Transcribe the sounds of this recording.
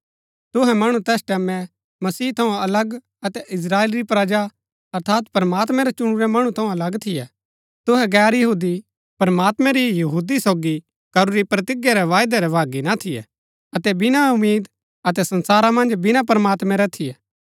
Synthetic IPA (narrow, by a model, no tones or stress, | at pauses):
t̪ʊɦɛmɐɽ̃ut̪ɛːsʈɛːmɛ̃ | mɐsiːt̪ʰɐũɐləɡ | ɐt̪ɛʔɪs̬ɾaːeːlɾipɾɐd͡ʒa | ɐɾt̪ʰaːt̪pɾəmaːt̪̬mɛ̃ɾɛt͡ʃʊɽ̃uɾɛmɐɽ̃ũt̪ʰɐ̃ũɐlɐɡt̪ʰɪjɛ | t̪ʊɦɛɡɛːɾjɐɦuːd̪i | pɐɾmaːt̪mɛ̃ɾijɐɦuːd̪isoːɡi | kɐɾuɾipɾɐt̪ɪɡjaɾɛʋaːjd̪ɛɾɛʋaːɡinat̪ʰɪjɛ̰ | ɐt̪ɛbɪnaʊmiːd̪ | ɐt̪ɛsɐ̃nsaːɾamɐ̃nd͡ʒbɪnap̬ɐɾmaːt̪mɛ̃ɾɛt̪ʰɪjɛː